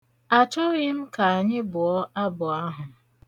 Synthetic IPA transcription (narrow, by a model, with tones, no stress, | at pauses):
a˨t͡ʃɔ˦ɣɪ˦m̩˦ka˨a˨ɲɪ˦bʊ˨ɔ˦a˦bʊ˨a˦ɦʊ˨